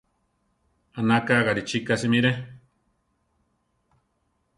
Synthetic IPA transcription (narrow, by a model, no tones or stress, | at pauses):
anakaɣaɾit͡ʃikasimiɾe